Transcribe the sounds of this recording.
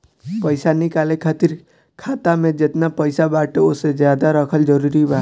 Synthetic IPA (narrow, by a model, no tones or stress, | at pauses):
pəɪsanɪkalekʰaːt̪iɾ | kʰat̪amẽd͡ʒet̪napəɪsabaʈeosed͡ʒjad̪aɾəkʰəld͡ʒəɾuɾiba